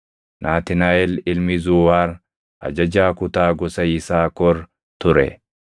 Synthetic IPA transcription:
nʔaːt̪ɪnaːɛlɪlmɪzʊːwaːɾ | ɐ̰d͡ʒɐd͡ʒaːkʊt̪aːɡɔsɐɪsaːkɔɾ | t̪ʊɾɛ̰

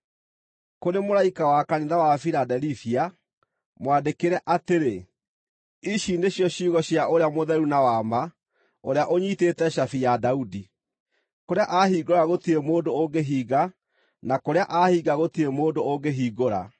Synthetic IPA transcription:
koɾemoɾaikawakaniðawafiɾadɛliθia | mwandekeɾɛʔateɾe | iʃindeɕjɔɕiːɣɔɕjaʔoɾeamoðɛɾunawama | oɾeaʔoɲiːtetɛɕafijadaudi | koɾeaʔaɦiːɡoɾaɣotiɾemoːndooɡeɦiːɣa | nakoɾeaʔahiːɡaɣotiɾemoːndooɡeɦiːɡoɾa̰

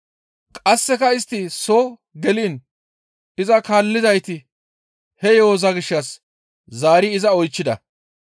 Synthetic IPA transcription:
kʼɐsːɛkɐɪst̪ːɪsoː | ɡɛliːn | ɪzɐkaːlːɪzɐjt̪ɪ | hɛjo̞ːzɐɡɪʃːɐs | zaːɾɪɪzɐɔjt͡ʃːɪd̪ɐ̰

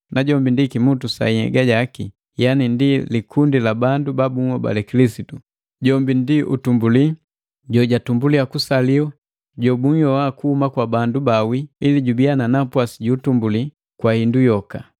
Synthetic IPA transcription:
naɟɔmbindikimutusa̰ihɛ̰ɡaɟaki | janindilikʰundilabandubabuŋɔba̰lɛkilisitu | ɟɔmbindiʔṵtumbuli | ɟɔɟatumbuliakusaliɔ | ɟɔbuŋjɔwakuhumakwabandubawiiliɟubiananapwasiɟuːtumbuli | kwahindujɔka

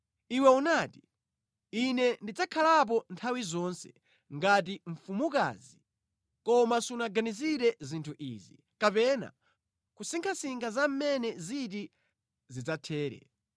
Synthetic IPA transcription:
iwɛunaːti | inɛndid͡zakʰalap̬ɔntʰawizɔnsɛ̥ | ŋɡat̬iɱ̩fumuka̰ːzi | kɔmasunaɡaniziɾɛzintʰuʔḭːzḭ | kapɛna̰ | kusiŋkʰasiŋɡazam̩mɛnɛziti | zid͡zatʰɛːɾɛ̰

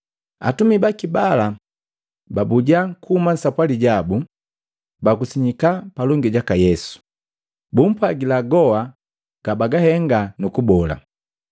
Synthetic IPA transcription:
a̰tumibakibala | babuɟaŋkuuman̩sapwaliɟabu | bakusiɲikapalɔŋɡiɟakajɛsu̥ | bum̩paɡilaɡɔa | ɡ̥abaɡahɛŋɡanukubɔla̰

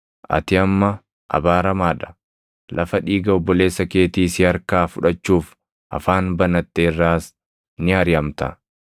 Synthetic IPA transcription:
ʔɐ̰t̪ɪɐmːɐ | ʔɐ̰baːɾɐmaːᶑɐ̥ | lʔɐfɐᶑiːɡɐɔbːɔle̞ːsːɐke̞ːt̪iːsɪɐɾkaːfʊᶑɐt͡ʃːuːf | ʔɐ̰faːnbɐnɐt̪ːeːrːaːs | nɪɐɾɪɐmt̪ɐ̰

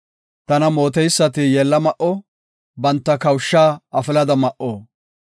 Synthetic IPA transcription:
t̪ɐnɐmo̞ːt̪ɛjsːɐt̪ɪjɛlːɐmɐʔɔ | bɐnt̪ːɐkɐwʃːaːɐfɪlɐd̪ɐmɐʔoː

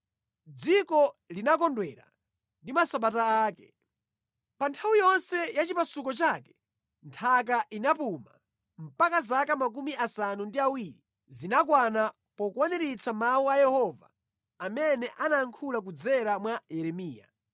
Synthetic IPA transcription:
d͡zikɔlinakɔndwɛɾa̰ | ndimasaɓataaːkɛ̥̰ | pantʰawijɔnsɛjat͡ʃipasukɔt͡ʃakɛ̥ | ntʰak̬aʔinapuma̰ | m̩pakazakamak̬umiʔasanundiawiːɾi | zinak̬wana | pɔkuwanɛɾit͡samauajɛhɔva̰ː | mɛnɛʔanaŋkʰulak̬ud͡zɛɾamwajɛɾɛmiːja̰

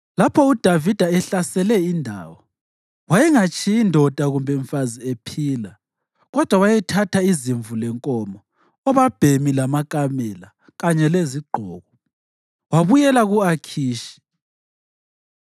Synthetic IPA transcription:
lapʰɔud̥ʱavid̥ʱaɛɬasɛlɛindʱa̰ːwɔ | wajɛŋat͡ʃʰʼiindʱɔd̥ʱaɣumbʱɛɱfaziepʰiːla | ɣɔd̥ʱwawajɛtʰatʰaiziɱvulɛŋkʼɔmɔ | ɔβab̥ʱemilamakʼamɛla | ɣaɲɛleziɡ͡ǃʱɔ̰ːɣɔ | waβujɛlaɣuakʰiːʃi̥

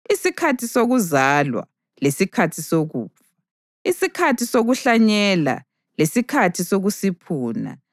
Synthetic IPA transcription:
isikʰatʰisoɣuzalwa̰ | lesikʰatʰisoɣṵːpfa | isikʰatʰisoɣuɬaɲɛla̰ | lesikʰatʰisoɣusipʰuːna̰

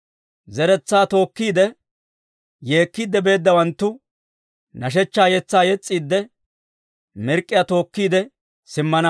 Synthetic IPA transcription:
zɛɾɛt͡sːaːt̪o̞ːkːiːd̪ɛ | je̞ːkːiːd̪ːɛbe̞ːd̪ːɐwɐnt̪ːʊ | nɐʃ̬ɛt͡ʃːaːjɛt͡sːaːjɛt͡sʼːiːd̪ːɛ | mɛɾkʼːɪjat̪o̞ːkːiːd̪ɛ | sɪmːɐnɐ

